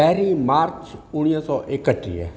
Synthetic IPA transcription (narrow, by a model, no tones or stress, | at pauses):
ɛːɾiːmaːɾt͡ʃʊɽ̃ijãsɔːʔɪkəʈːḭːɛ̰ː